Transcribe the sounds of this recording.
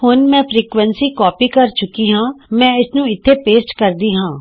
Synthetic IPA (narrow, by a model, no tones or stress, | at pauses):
hʊnmɛ̃ːpʰɾiːkʋənsiːkɔːpiːkəɾt͡ʃʊkiːɦãːmɛ̃ːɪsnũːɪt̪ʰːeːpeːsʈkəɾd̪iːɦãː